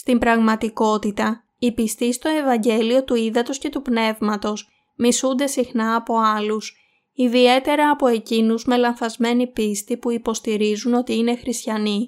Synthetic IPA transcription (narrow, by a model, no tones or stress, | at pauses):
st̪imbɾɐɣmɐt̪iko̞t̪it̪ɐ | ipist̪ist̪o̞e̞vɐɲɟe̞lio̞t̪uiðɐt̪o̞sce̞t̪upne̞vmɐt̪o̞s | misund̪e̞sixnɐːpo̞ɐlus | iðie̞t̪e̞ɾɐːpo̞e̞cinuzme̞lɐnθɐzme̞nipist̪ipuipo̞st̪iɾizuno̞t̪iine̞xɾist̪çɐni